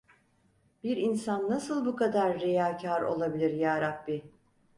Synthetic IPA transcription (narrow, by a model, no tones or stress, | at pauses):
b̥iɾinsanːasɯlˠbukʰad̪aɾːejaːcʰaɾo̞̰lˠabilʲiɾjaːɾak̚bi